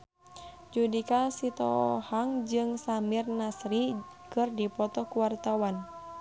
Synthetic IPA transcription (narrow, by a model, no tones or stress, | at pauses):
d͡ʒudikasit̪ɔhaŋd͡ʒɨŋsamirnasɾikɨrdipɔt̪ɔkuwart̪awan